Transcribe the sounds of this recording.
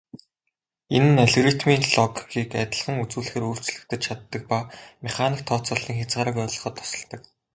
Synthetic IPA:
enɘ̆næɮrit̪miːnɮɔkɡiːkæt̪ʲɪ̆ɮχə̆ŋut͡suːɮɘ̆xeːɾuːr̥t͡ɕɮɘ̆kt̪ɘ̆t͡ɕt͡ɕʰat̪ːə̆k̚pameχaniːk̚t̪ʰːɔːt͡sɔ̆ɮiːŋxat͡sɢaːɾə̆kuœːɮɞ̆χɞ̆t̪ʰːɔ̥sɞ̆ɮt̪ə̆k̚

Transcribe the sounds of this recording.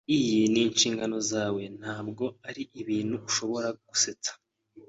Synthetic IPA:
ijiniːnʃiːŋɡano̞zaːwe̞n̥haːb̚ɡo̞aɾiʔiβiːn̥huuʃo̞βo̞ɾaɡ̥use̞t͡sḁ

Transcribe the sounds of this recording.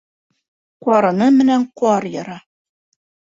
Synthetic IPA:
qwɑɾɤ̆nɤmɘ̆næɴqɑɾjɤ̆ɾɑ

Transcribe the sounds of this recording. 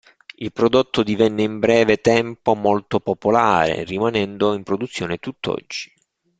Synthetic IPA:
ilpɾod̪ot̪ʰːod̪ivɛnːeimbɾɛːvet̪ɛmpomolt̪opopolaːɾḛrimanɛnd̪oimpɾod̪ut̪sːjoːnet̪ut̪ːɔ̰d͡ʒːi

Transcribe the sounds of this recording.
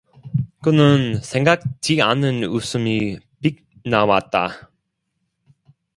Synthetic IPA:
kɯnɯnsʰeŋɡak̚t͡ɕianɯnusʰɯmi | pik̚ | nawat̚t͈a̰

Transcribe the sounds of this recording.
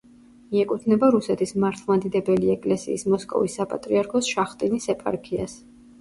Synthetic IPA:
miɛkʼut̪ʰnɛbaɾusɛt̪ʰismaɾt̪ʰlˠmad̪id̪ɛbɛliɛkʼlɛsḭːsmɔskʼɔ̰visːapʼa̰t̪ʼɾiaɾkʰɔsʃaχt̪ʼinisɛpʼa̰ɾkʰia̰s

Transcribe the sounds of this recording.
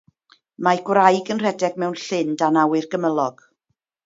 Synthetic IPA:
maɡwɾajɡənr̥ɛdɛɡ̚mɛwnɬɪndanawɨrɡəməlˠɔɡ̥

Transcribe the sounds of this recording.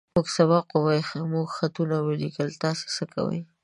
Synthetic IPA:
oɡsabɑqowajxmoɡxat̪unawɪlikəlt̪ɑse̥səka̰wə̰j

